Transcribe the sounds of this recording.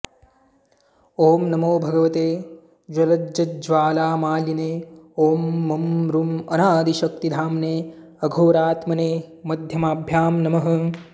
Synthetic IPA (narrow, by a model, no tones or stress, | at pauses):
oːmnɐmoːbʱɐɡɐʋɐt̪eː | d͡ʒɐlɐd͡ʒɐt̪̚d͡ʒʋaːlaːmaːljɐneːoːmːɐmɾumɐnaːd̪iʃɐk̚t̪id̪ʱaːmneː | ɐɡʱoːɾaːt̪mɐneːmɐd̪ʱjɐmaːbʱjaːmnɐmɐɦɐ̆